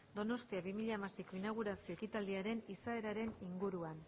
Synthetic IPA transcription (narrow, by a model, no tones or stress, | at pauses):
d̪o̞no̞st̪iaβimiʎamasiko̞inaɣ̞uɾasio̞ekit̪ald̪iaɾe̞nisae̞ɾaɾe̞niŋɡuɾuan